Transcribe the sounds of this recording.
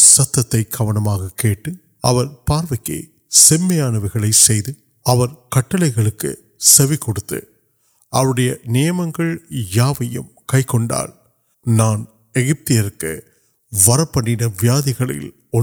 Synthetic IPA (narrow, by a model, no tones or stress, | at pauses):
sɐt̪ːɐt̪ːɐɪkʰɐʋɐɳɐmaːɣɐkeːʈːɯ | ɐʋɐɾpaːɾʋɐɪkːḛː | sɛmːɐjaːnɐʋɪɣɐɭɐɪsɛjðɯ | ɐʋɐɾkɐʈːɐɭɐɪɣɐɭɯkːɯ̰ | sɛʋɪkːɔɽɯt̪ːɯ̰ | ʔɐɐɭɯɽɐjɐnɪjɐmɐŋɡɐɭjaːʋɐjɯ̰m | kɐɪkːɔɳɖa̰ːl | naːn | ɛɣɪp̚t̪ɪjɐɾkːɯ | ʋɐɾɐpːɐɳːɪnɐʋɪjaːðɪɣɐɭɪ̰l | ɔ